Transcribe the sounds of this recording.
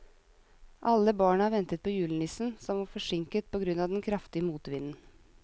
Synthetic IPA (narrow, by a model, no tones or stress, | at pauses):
ʔɑlːəbɑːɳəhɑːʋɛnt̪ət̪̚pʰoːjʉːlənɪsn̩sɔmʋɑːfɔʂɪŋkət̪̚pʰɔɡɾʉnːɑːʋd̪ɛnkʰɾɑft̪ɪəmuːt̪ʋɪnn̩